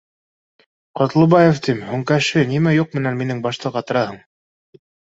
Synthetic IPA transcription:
qɑt̪lˠɤ̆bɑjeft̪imhʉŋkæʃɘnimæjuq̚mɘ̆nænminɘŋbɑʃt̪ɤʁɑt̪ɤ̆ɾɑhɤɴ

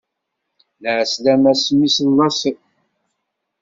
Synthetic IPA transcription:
ləʕəslæmæsmːisəlːɑsə

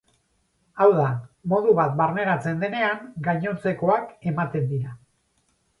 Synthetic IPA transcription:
awðamo̞ðuβat̪̚barne̞ɾat͡se̞nd̪e̞ne̞aŋɡajɲo̞t͡se̞ko̞ake̞mat̪e̞nd̪iɾa

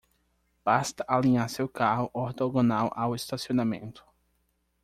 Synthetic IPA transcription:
b̥ast̪ɐʔalĩɲaɾsewkaɦʊʔɔɾt̪oɡõnawʔawest̪asionamḛ̃nt̪ʊ̥

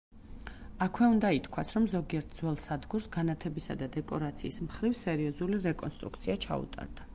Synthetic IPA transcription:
akʰwɛund̪ait̪ʰkʰwasɾɔmzɔɡiɛɾt̪̚ʰd̪zwɛlˠsad̪ɡuɾsɡanat̪ʰɛbisa̰d̪ad̪ɛkʼɔɾat̪sʰḭːsmχɾivsɛɾiɔzuliɾɛkʼɔ̰nst̪ʼɾṵkt̪sʰiat͡ʃʰa̰ṵt̪ʼa̰ɾd̪a

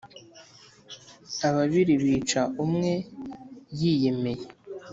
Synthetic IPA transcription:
aβaβiɾiβiːt͡ʃaʔumŋe̞ | jije̞me̞je

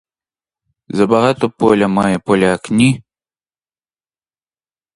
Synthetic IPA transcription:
zɐbaɣat̪ɔpɔlʲɐmajɛpɔlʲɐːknʲi

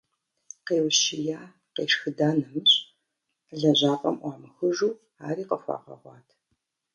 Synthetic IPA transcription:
qeːwʃt͡ʃɪjaː | qeːʂxɨdaːnɨmɨɕ | ɮɐʑaːpʼɐmʔʷɑːmɨxɨʒuː | aːɾiːqəxʷɑ̰ːʁɐ̰ʁʷɑːtʰ

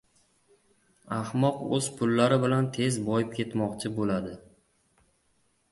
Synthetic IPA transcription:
ahmɒqɵz̥pʰʊlːaɾɪbɪlant̪ʰe̞zbɒjɪp̚kʲʰe̞t̪mɒqt͡ʃʰɪbolad̪ɪ

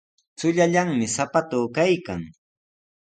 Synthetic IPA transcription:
t͡sʊʎaʎaŋmɪsapat̪ʊːkajkaŋ

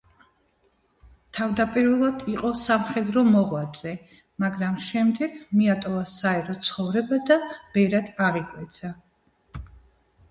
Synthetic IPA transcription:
t̪ʰavd̪apʼiɾvɛlˠad̪iqʼɔsamχɛd̪ɾɔmɔʁwad̪zʼɛ | maɡɾamʃɛmd̪ɛɡmiat̪ʼɔvasaɛɾɔt̪sʰχɔvɾɛbad̪ab̥ɛɾad̪̥aʁikʼwɛt̪sʰa

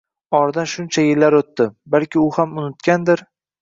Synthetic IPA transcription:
ɒɾd̪anʃʊnt͡ʃʰajɪlːaɾot̪ːɪbalkʲʰɪʊhamʊnɪt̪kʲand̪ɪɾ

